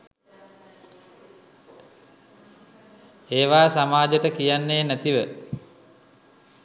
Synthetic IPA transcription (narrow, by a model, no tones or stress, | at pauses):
eːʋaːsamaːd͡ʒəʈəkijanːeːnæt̪iʋə